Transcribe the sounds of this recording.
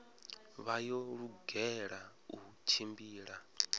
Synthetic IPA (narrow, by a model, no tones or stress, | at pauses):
βajɔɺuɡɛɺa | ut͡ʃʰimbiːɺa